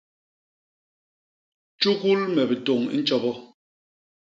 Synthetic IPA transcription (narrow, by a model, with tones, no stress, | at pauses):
t͡ʃu˦ku˦lmɛ˨bi˨to˨ŋḭ˦n̩˦t͡ʃɔ˦bɔ˦